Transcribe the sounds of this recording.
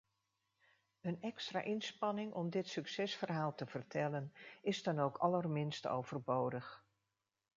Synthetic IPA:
ənɛkstra̰ːʔɪnspɑnɪŋʔɔmdɪtsɵksɛsfərɦaːlˠtəv̥ərtɛlənɪzdɑnowkʰɑlərmɪnsto̰wv̥ərbowdəχ

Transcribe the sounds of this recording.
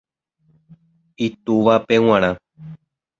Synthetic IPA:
it̪uʋapẽw̃ãɾ̃ã

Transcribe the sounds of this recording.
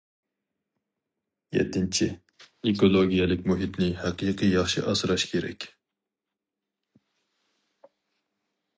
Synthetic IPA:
jɛ̰t̪ʰːɪnt͡ʃʰi | ekolˠoɡʲijɛlɪkʲmuɦit̪nɪhæqiqʰijɑχʃiʔɑsɨɾɑʃkʲʰeɾɛ̰kʲ

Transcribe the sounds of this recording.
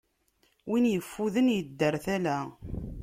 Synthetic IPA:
winjəfːuðənjəd̪ːəɾθælæ

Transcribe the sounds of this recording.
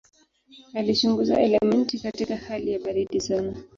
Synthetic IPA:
alit͡ʃuŋɡuza̰ʔɛlɛmɛntikatikahalijaɓaɾiɗizana

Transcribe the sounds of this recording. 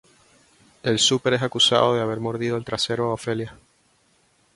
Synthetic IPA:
e̞lsupe̞ɾesakusa̰ðo̞ðeaβ̞e̞ɾmo̞ɾð̞ið̞oe̞lt̪ɾase̞ɾoaofe̞lja

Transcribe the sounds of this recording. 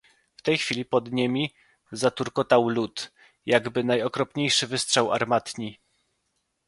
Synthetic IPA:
ft̪ɛjxfʲilʲipɔd̪ɲemʲi | zat̪uɾkɔt̪awlut̪ | jaɡbɘnajɔkɾɔpɲejʂɘvɘstʂawa̰ɾmat̪ɲi

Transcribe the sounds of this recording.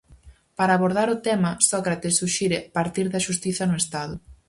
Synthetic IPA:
paɾaːβoɾð̞aɾʊt̪ɛmɐsɔkɾat̪ɪsuʃiɾɪpaɾt̪iɾðɐʃust̪iθɐnʊest̪aðʊ

